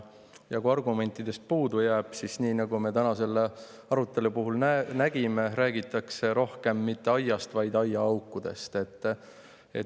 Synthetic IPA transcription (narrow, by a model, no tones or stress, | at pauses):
jɑkuɑrɡume̞nʲt̪ːˑid̪̥e̞st̪̚puːd̪ujæːb̥sisniːnɑɡume̞t̪ænɑse̞lːe | ɑɾut̪ːˑe̞lupuɦulnænæɡ̥ime̞ɾæːɡit̪ːˑɑkse̞ɾo̞hke̞mːit̪ːe̞ɑjːɑst̪vɑjd̪̥ɑjɑɑwkːˑud̪̥e̞̰st̪e̞t̪ːˑ | ḛ